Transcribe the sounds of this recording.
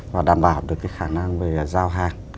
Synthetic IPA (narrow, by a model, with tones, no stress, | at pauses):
vaː˨˩ɗaː˨˩mɓaː˧˩wɗɨ˨əkːaː˨˦jxaː˧˩na˧ŋve˨˩˨zaː˧wɦaː˨˩ŋ